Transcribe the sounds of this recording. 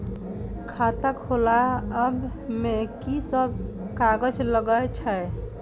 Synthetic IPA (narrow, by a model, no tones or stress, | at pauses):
kʰat̪əkholaəmbʱmekisəb | kaɡəd͡ʒləɡəjt͡ʃʰəj